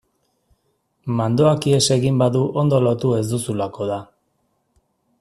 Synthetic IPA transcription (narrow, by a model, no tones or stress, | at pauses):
mand̪o̞akie̞se̞ɣimbaðuʔo̞nd̪o̞lo̞t̪ue̞zd̪usulako̞ð̞a